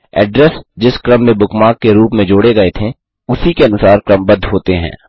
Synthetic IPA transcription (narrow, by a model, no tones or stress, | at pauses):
ɛ̰ːɖɾɛsd͡ʒɪskɾɐmːẽbʊkmaːkːeɾuːpmẽd͡ʒoːɽeɡɐet̪ʰe | ʊsikeɐnʊsaːɾkɾɐmbɐd̪ʱɦoːt̪eɦɛ̰̃ː